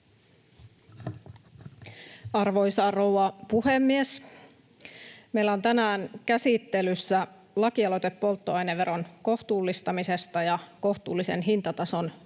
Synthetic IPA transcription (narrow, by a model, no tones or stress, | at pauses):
ɑrʋo̞jsɑrowɑpuhemːies | mejlːæont̪ænæːnkæsit̪ːe̞lysːæ | lɑkiɑlot̪e̞pːo̞lt̪ːoɑjneʋeɾo̞nko̞ht̪uːlːist̪ɑmise̞st̪ɑjɑko̞ht̪uːlːise̞̰nɦint̪ɑt̪ɑso̞n